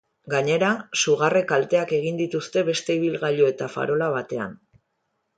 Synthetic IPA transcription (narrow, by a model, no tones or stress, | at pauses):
ɡaɲe̞ɾasuɣare̞kalt̪e̞ake̞ɣ̞ind̪it̪ust̪e̞βe̞st̪e̞iβilɣaʎoe̞t̪afa̰ɾo̞laβat̪e̞a̰n